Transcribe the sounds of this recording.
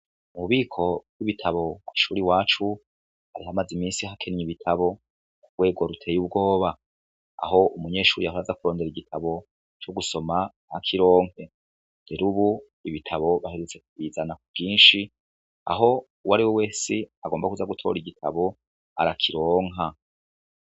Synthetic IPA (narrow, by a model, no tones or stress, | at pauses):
uuβiːkʰo̞bwiβitʰaβo̞kwi̥ʃuːɾiwaːt͡ʃu | haɾiɦamazimiːnsiɦakʰenɲiβitʰaβo̞ | kuɾɡwe̞ːɡo̞ɾutʰe̞ːjub̚ɡo̞ːβa̰ː | ɦo̞ʔumuɲe̞ːʃuːɾijaɦoazakuɾo̞ːndeɾiɡitʰaβo̞ | t͡ʃoɡuso̞ma | hakʰiɾo̞ːŋ̥e̞ | ndeɾuβu | iβitʰaβo̞βahiɾut͡seku̥iːzanakubɡiːnʃi | a̰ɦo̞ | waɾiwewe̞ːsiaɡo̞ːmbakuzaɡutʰo̞̰ːɾiɡitʰa̰βo̞ | a̰ɾakʰiɾo̞ːŋɦa